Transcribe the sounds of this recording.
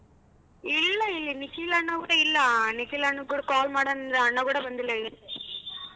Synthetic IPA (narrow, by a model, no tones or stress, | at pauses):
ilːɐilːinikilɐɳːɐkuːɽɐilːɐnikilɐɳːɐuːɽɐkaːlmaːɽonnd̪ɾɐɳːɐkuːɽɐbɐnd̪ilːɐil